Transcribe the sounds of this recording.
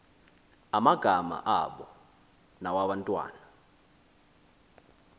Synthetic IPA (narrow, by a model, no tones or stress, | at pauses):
amaɡ̥ʱama̰ʔaɓɔ | nawaɓantʼwa̰ːna